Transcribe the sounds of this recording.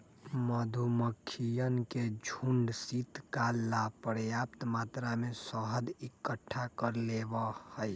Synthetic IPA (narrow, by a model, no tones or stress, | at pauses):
məd̪ʱuməkʰːijənked͡ʒʱuɳɖsit̪kalːapɾjap̚t̪mat̪ɾamesəɦəd̪ikːəʈʰːakəɾlebəhəj